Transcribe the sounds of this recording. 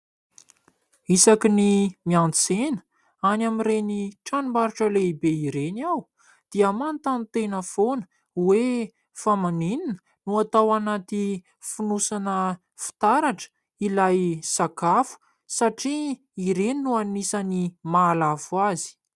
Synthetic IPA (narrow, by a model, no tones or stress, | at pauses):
isakinimiant͡senə̥ | anamiɾeniʈ͡ʂanimaɾuʈ͡ʂəleibeiɾeniaw | d̪̥iamant̪anit̪enəfonə̥ | we | famanininə̥ | nuat̪awanat̪i | funusanə | fi̥t̪aɾaʈ͡ʂə̥ | ilajsakafu̥ | saʈ͡ʂiː | ɾeninuanisanimaːlavuazi̥